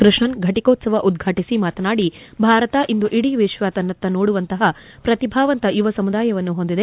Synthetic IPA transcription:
kɾɨʂɳɐnɡʱɐʈikoːt̪sɐʋɐʔud̪ɡʱaːʈisimaːt̪ɐnaːɽibʱaːɾɐt̪ɐʔind̪uʔiɽiʋeːʃʋaːt̪ɐnːɐt̪ːɐnoːɽuʋɐnt̪ɐɦɐ | pɾɐt̪ibʱaːʋɐnt̪ɐjuʋɐsɐmud̪aːjɐʋɐnːuɦo̞nd̪id̪e

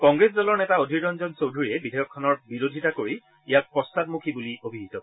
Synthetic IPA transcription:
kɔŋɡɹesdɔlɔɹnɛtaodʱiɹɹɔnzɔnsowdʱuɹiɛbidʱejɔkʰːɔnɔɹbiɹodʱitakoɹi | ijak̚pɔstat̚mukʰibuliobʱiɦitɔ

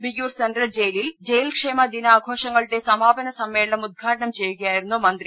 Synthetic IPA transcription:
biɡjuːɾsɐnɖɾɐld͡ʑejlild͡ʑejlkʂeːmɐd̪inɐaːɡʱoːʂɐŋɡɐɭʈ̪ːesɐmaːbɐnɐsɐmːeːɭɐnɐmud̪̚ɡʱaːʈɐɳɐmt͡ɕejːuɡɐjaːjiɾunːumɐnd̪ɾi

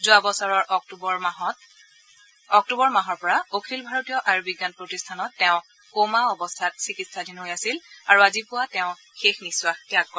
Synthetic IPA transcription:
zʊabɔsaɹɔɹʔktubɔɹɔt | ɔk̚tubɔɹmaɦɔɹpɔɹaokʰilbʱaɹotijɔʔaɹbiɡanpɹotistʰanɔtːɛʊ̃ | komaɔbɔstʰat̚sikitsadinɦojasilaɹuazipʊwatɛʊ̃ | xexniswaxtiakːɔɹ

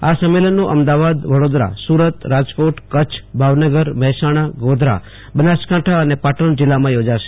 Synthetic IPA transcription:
asəmːelənːũʔəmd̪aʋad̪ʋəɽod̪ɾa̰suɾət̪ɾad͡ʒpoʈkət͡ʃʰbʱaʋnəɡəɾməɦɛsaɽ̃aɡod̪ʱɾa̰ | bənaskãʈʰaənepaʈəɳd͡ʒɪlːamãjod͡ʒaʃe̥

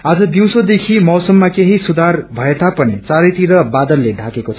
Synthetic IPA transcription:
ad͡zʌd̪iw̃sod̪ekʰimɔwsʌmːakeɦisud̪ʱarbʱʌet̪apʌnit͡saɾʌjt̪iɾʌbad̪ʌlːeɖʱakekot͡sʰʌ

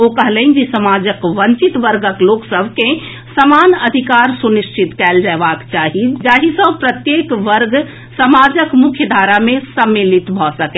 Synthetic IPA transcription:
okəɦlɛind͡ʒisəmad͡ʒəkʋəɲt͡ʃit̪ʋəɾɡəkloksəbʱke | səmanəd̪ʱikaɾsuniʃt͡ʃʰit̪kɛld͡ʒaebakt͡ʃaɦid͡ʒaɦisə̃bpɾət̪jekʋəɾɡ | səmad͡ʒəkmukʰjəd̪ʱaɾamẽsəmːilit̪bʱɔsəkɛ

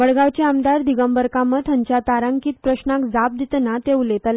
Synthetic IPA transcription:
ʋəɽɡaʋt͡ɕeamd̪aɾd̪iɡəmbəɾkamət̪ʰəɲt͡ɕjat̪aɾaŋkiːt̪̚pɾəɕnakd͡zap̚d̪it̪nat̪eʋlet̪əl

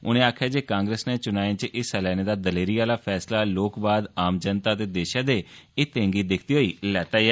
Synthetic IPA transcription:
ʊ̰nẽːaːkʰjaːd͡ʒeːkãːŋɡɾeːsneːt͡ʃʊnaːẽːt͡ʃʔɪsɛlɛːñeːd̪aːd̪əleːɾiːaːlaːpʰɛːslaːloːkbaːd̪aːmd͡ʒənt̪aːət̪eːd̪eːʃãːd̪eːɪt̪ẽːŋɡiːd̪ɪkʰt̪iːɦoːiːlɛːt̪aːiɛː

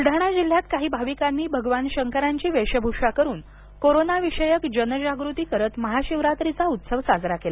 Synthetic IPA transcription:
ɖʱaɽ̃ad͡ʑil̤jat̪kaɦiːbʱaʋikanːiːbʱəɡʋanɕəŋkəɾaɲt͡ɕiːʋeɕəbʱuʂakəɾuːn | koɾonaʋiʂəjəkd͡ʑənəd͡ʑaɡɾut̪iːkəɾət̪məɦaɕiʋɾat̪ɾit͡saut̪səʋsad͡zɾakela

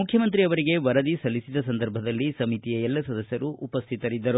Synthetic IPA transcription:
mukʰːjɐmɐnt̪ɾiɐʋɐɾiɡe̞ʋɐɾɐd̪isɐlːisid̪ɐsɐnd̪ɐɾbʱɐd̪ɐlːisɐmit̪ijɐɛlːɐsɐd̪ɐsjɐɾuʔupɐst̪ʰit̪ɐɾid̪ːɐɾu

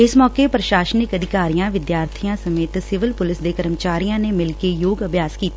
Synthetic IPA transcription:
ɪsmɔːkepɾəʃaːʃənɪkəd̪ʱɪkaːɾijãʋɪd̪jaːɾt̪ʰijãsɐmeːt̪sɪʋɪlpʊlɪsd̪ekɐɾəmt͡ʃaːɾijãnemɪlkejoːɡɐbʱjaːskiːt̪a

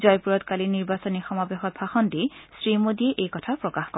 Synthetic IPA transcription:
zɔjpuɹɔtkaliniɹbasonixɔmabexɔt̚bʱaxɔndisɹimodiɛʔejkɔtʰapɹɔkaxkɔ

